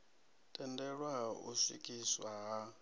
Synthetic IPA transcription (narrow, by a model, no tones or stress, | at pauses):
tʼɛndɛɺwaṵsḭkʼiswaɦa